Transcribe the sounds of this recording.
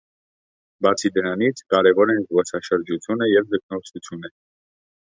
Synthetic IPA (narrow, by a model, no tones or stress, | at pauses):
bɑt͡sʰid̪əɾɑnit͡sʰkɑɾɛvɔɾɛnzvɔsɑʃəɾd͡ʒut͡sʰjunəjɛvd̪ək̚ʰnɔɾsut͡sʰjunɛ